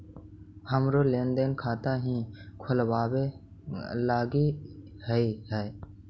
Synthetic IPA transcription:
həmɾoːleːnd̪eːnkʰaːt̪aːɦĩːkʰʊlʋaːwe | laːɡiːhəiːhɛː

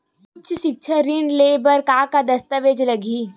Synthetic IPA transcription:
kʊt͡ʃʰʃɪk̚t͡ʃʰəɾiɳɖleːbəɾkaːkad̪ɐst̪əʋeːd͡ʒlɐɡiː

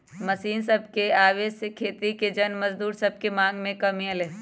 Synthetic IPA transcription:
mɐsiːnsɐb̚ʱkeaːʋeːd͡ʒsekʰeːt̪iked͡ʒɐnmɐzd̪uːɾsɐb̚kemãːŋɡmẽkɐmiɐleː

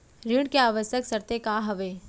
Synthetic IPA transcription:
ɾiɽ̃keaːʋəsjəksəɾt̪ekaɦɐʋeː

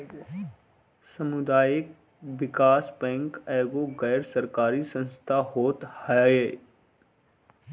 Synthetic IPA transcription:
sɐmʊd̪aːjɪk | ʋɪkaːspɛ̃ŋkɛːɡoɣɛːɾsɐɾkaːɾisə̃nst̪ʰaɦoːt̪hajeː

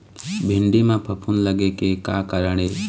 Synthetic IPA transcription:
bʱɪɳɖiːmãːpʰəpʰunləɠeːkeːkaːkəɾəɳeː

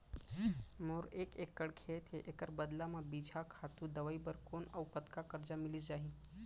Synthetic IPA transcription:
moɾeːkeːkːəɽkʰet̪ʰeʔekəɾbəd̪lamãbid͡ʒʱakʰat̪ũd̪əʋaibəɾkoːnawpət̪kakəɾd͡ʒamɪlisd͡ʒaːɦĩ

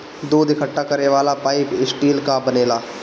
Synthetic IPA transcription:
d̪oːd̪ɪkʰəʈːakɐɾneʋaːlapaːɪpɪsʈiːlkabɐneːlaː

